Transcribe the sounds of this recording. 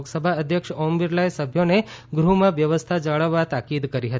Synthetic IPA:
ksəbʱaəd̪ʱjəkʃɔmbiɾlajsəbʱjoneɡɾumãʋjəʋəst̪ʰad͡ʒəɭəʋːat̪akid̪kəɾiɦət̪i

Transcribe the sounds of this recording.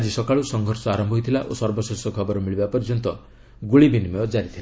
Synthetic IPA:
ad͡ʒisɔkaɭusɔŋɡʱɔɾsɔaɾɔmbʱɔɦjt̪ʰilaʔosɔɾbɔsesɔkʰɔbɔɾɔmiɭibapɔɾd͡ʒɔnt̪ɔ | ɡuɭibinimɔjɔd͡ʒaɾit̪ʰila

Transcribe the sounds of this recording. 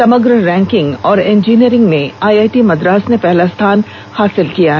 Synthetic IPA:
sɐməɡɾɾɛ̃ːŋkɪ̃ŋɡɔːɾẽːnd͡ʒiːniəɾɪ̃ŋɡmẽaːjaːjʈimɐd̪ɾaːsnepɛɦlast̪ʰaːn | haːsɪlkijaɦɛ

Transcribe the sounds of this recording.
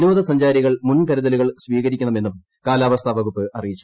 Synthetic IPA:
noːðɐsɐɲd͡ʑaːɾiɣɐɭmunkɐɾɐðɐluɣɐɭsʋiːɣɐɾikʲːunːɐme̞nːum | kaːlaːʋɐst̪ʰɐbʱɐɣupːɨʔɐrijit͡ɕːu̥

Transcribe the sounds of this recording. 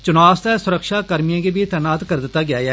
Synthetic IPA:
t͡ʃʊnaːst̪ɛsʊɾəkʃakɐɾmijãkebʱit̪ɛːnaːt̪kɐɾd̪ɪt̪ːaɡɪjaːjɛː

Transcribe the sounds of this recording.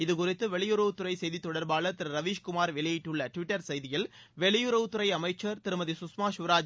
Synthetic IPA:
ɪðɯkʊrɪt̪ːɯʋɛɭɪjʊɾɐʋɯt̪ːʊrɐɪsɛjðit̪ːɔɽɐɾbaːɭɐt̪ɪɾɐɾɐʋiːʃkʊmaːɾʋɪɭɐjɪʈːɯɭːɐʈʋɪʈːɐɾsɛjðɪjɪl | ʋɛɭɪjʊɾɐʋɯt̪ːʊɾɐɪɐmɐɪt͡ʃːɐɾt̪ɪɾɯmɐðisʊsmaːʃʊʋɾaːd͡ʒ

